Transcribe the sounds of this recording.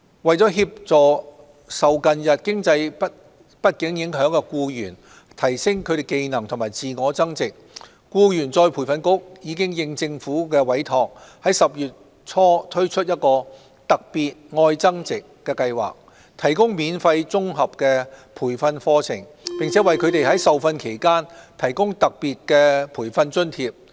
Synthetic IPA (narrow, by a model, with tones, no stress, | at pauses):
wɐ˨˩jt͡sɔː˨˥ɦiː˧p̚t͡sɔː˨ | sɐ˨˩wkɐ˨njɐ˨t̚kɪ˥ŋt͡sɐ˧jp̚ | pɐ˥t̚kɪ˨˥ŋjɪ˨˥ŋɦœː˨˥ŋkɛ˧kuː˧jyː˨˩n | t̪ʰɐ˨˩jsɪ˥ŋkʰɵ˨˧ɾe˨jke˧jnɐ˨˩ŋt̪ʰʊ˨˩maː˨˩jt͡siː˨ŋɔː˨˧˥t͡sɐ˥ŋt͡sɪ˨k̚ | kuː˧jyː˨˩nt͡sɔː˧jpʰuː˨˩fɐ˧nkʊ˥k̚jiː˨˧kɪ˥ŋjɪ˧ŋt͡sɪ˧ŋfuː˨˥kɛː˧wɐ˨˥jt̪ʰɔː˨k̚hɐ˨˥jsɐ˨p̚jyː˨t̚ | t͡sʰɔː˥t̪ʰɵ˥ɥt͡ʃʰɵ˥t̚jɐ˥t̚kɔː˧ | t̪ɐ˨k̚piː˨t̚ŋɔː˧jt͡sɐ˥ŋt͡sɪ˨kːɛː˧kɐ˧jwa̰ː˨k̚ | t̪ʰɐ˨˩jkʊ˥ŋmiː˨˧nfɐ˧jt͡sʊ˥ŋɦɐ˨p̚kɛː˧pʰuː˨˩jfɐ˧nfɔː˥t͡sʰɪ̰˨˩ŋ | pɪ˨ŋt͡sʰɛ˨˥wɐ˨jkʰɵ˨˧ɥt̪e˨jhɐ˨˥jsɐ˨wfɐ˧nkʰe˨˩jkaː˥nt̪ʰɐ˨˩jkʊ˥ŋt̪ɐ˨k̚piː˨t̚kɛː˧pʰuː˨˩jfɐ˧nt͡ʃɵ˥nt̪ʰiː˧p̚